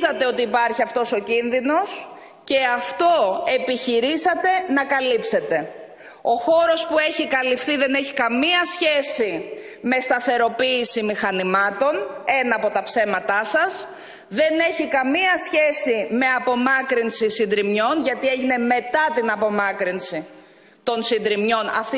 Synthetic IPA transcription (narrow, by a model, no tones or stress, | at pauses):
zɐt̪e̞o̞t̪iːpɐɾçiɐft̪o̞so̞cinðino̞s | ce̞ɐft̪o̞e̞piçiɾisɐt̪e̞nɐkɐlipse̞t̪e̞ | o̞xo̞ɾo̞spue̞çikɐlifθiðe̞ne̞çikɐmiɐsçe̞si | me̞st̪ɐθe̞ɾo̞piːsimixɐnimɐt̪o̞ne̞nɐːpo̞t̪ɐpse̞mɐt̪ɐsɐs | ðe̞ne̞çikɐmiɐsçe̞sime̞ɐpo̞mɐkɾinsisind̪ɾimɲo̞nʝɐt̪ie̞ʝine̞me̞t̪ɐt̪inɐpo̞mɐkɾinsi | t̪o̞nsind̪ɾimɲo̞nɐ̰ft̪i